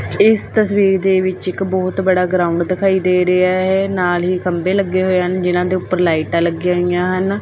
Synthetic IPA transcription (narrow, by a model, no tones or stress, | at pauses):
ɪst̪əsʋiːɾd̪eːʋɪt͡ʃɪkbɔːt̪bəɽaːɡɾaːʊ̃ɳɖd̪ɪkʰaːiːd̪eːɾeaːɦɛːnaːlɦiːkəmbeːləɡːeːɦoːeːɦənd͡ʒɪnãːd̪eːʊpːəɾlaːiʈaːləɡjãːɦijãːɦən